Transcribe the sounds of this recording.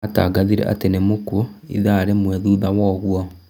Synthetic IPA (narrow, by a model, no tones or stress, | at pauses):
ata̰ːɡaðiɾɛ̰ʔa̰tenemokoḭðaːɾemwɛðuːðawɔɣwɔ